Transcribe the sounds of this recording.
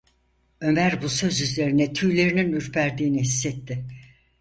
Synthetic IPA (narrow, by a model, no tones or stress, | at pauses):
ø̞mæɾbusø̞zyzle̞ɾinɛt̪ʰyːlʲe̞ɾininyɾpʰæɾd̪iːniɦisːɛt̪ʰːɪ